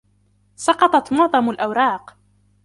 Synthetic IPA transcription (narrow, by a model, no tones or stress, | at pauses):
sɑqɑt̪ˤɑt̪mʊʕðˤɑmʊlʔawɾˤɑːq